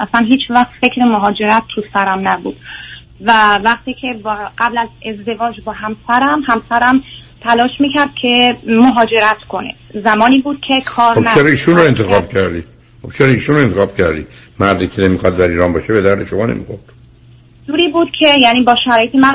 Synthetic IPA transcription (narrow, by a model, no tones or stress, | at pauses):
ʔæslænɦiːt͡ʃʰvæxt̪fekʰɾemoɦɒːd͡ʒe̞ɾæt̪ːʰusæɾæmnæbṵd̪̥ | vævæqt̪ʰiːkʰebɢ̥æblæzezd̪e̞vɒːd͡ʒbɒːɦæmsæɾæmhæmsæɾæm | t̪ʰælɒːʃmiːcʰæɾd̪̥̚kʲʰe̞moɦɒːd͡ʒe̞ɾæt̪kʰonḛd̪̥zæmɒːniːbuːd̪̥cʲʰe̞kʰɒːɾobnæt͡ʃeɾɒiːʃunɾoent̪ʰexɒb̥kʰæɾd̪i | xobt͡ʃʰeɾɒiːʃunɾoe̞nt̪exɒːb̥̚cʰæɾd̪ḭːmæɾd̪iːkʰenemixɒd̪d̪æɾiːɾɒːnbɒːʃebed̪æɾd̪eʃomɒːnḛmḭxoɾd̪̥ | d̪uːɾiːbuːd̪̥cʲʰejæniːbɒːʃæɾɒːjet̪ʰemæ